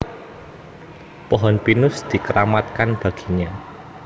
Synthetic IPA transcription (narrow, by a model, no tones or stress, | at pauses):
pɔɦɔnpinʊsd̪̥i̤kəɾamat̪̚kanb̥ä̤ɡ̥i̥ɲa